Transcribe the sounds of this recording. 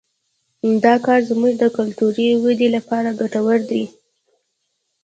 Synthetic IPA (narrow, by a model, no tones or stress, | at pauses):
d̪ɑkɑɾzmuʒd̪əkʊlt̪uɾiwəd̪elapɑɾaɡaʈawəɾd̪i